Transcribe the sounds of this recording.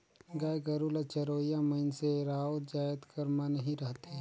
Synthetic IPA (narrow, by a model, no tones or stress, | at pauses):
ɡaːjɡɐɾulat͡ʃɐɾoːijãmɐɪnseɾaːuɾd͡ʒaːjəd̪kɐɾmanɐɦĩɾɐɦt̪eɦɛ̃